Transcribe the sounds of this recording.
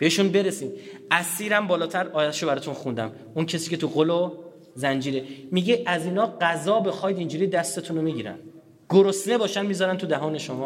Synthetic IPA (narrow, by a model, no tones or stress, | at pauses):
b̥eeʃunbe̞ɾesiːnæsiːɾæmbɒːlɒːt̪ʰæɾɒːj̪æt̪eʃobæɾɔːt̪ʰunxund̪æ̰m | uncʰesiːcʰe̞t̪ʰuɣolo | zænd͡ʒiːɾemiɡeʔæziːnɒːɢæzɒːbexɒːjd̪ind͡ʒuːɾiːd̪æst̪e̞t̪ʰunomiɟiːɾæ̰n | ɡ̥oɾosne̞bɒːʃænmiːzɒːɾænt̪ʰud̪æɦɒːne̞ʃomɒː